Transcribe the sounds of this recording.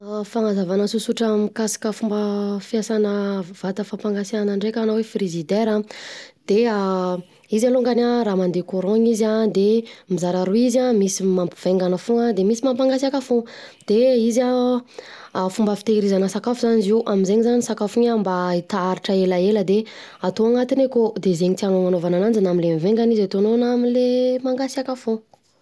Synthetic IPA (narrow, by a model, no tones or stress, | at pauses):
afaŋazavanəsusuʈ͡ʂamikasḁkʲəfumbəfiasanəvat̪əfampaŋɡasanaɳɖ͡ʐekʲanowefrizid̪eɾãd̪̥ea | izaloŋɡanaɾamand̪ekoɾɔ̃ɲizad̪emizaɾaɾuizamisimampiv̥eŋɡanəfuŋad̪emisimampaŋɡasakafod̪̥eiza | fumbəfi̥t̪eɾizanəsakafuzaniziʔamizeɲizanisakafuɲambait̪aaɾiʈ͡ʂəelaeləd̪e | at̪oaŋat̪inekod̪ezeɲit̪ianoŋanovananand͡zinaminlemiveŋɡanizat̪ononamilemaŋɡasakafo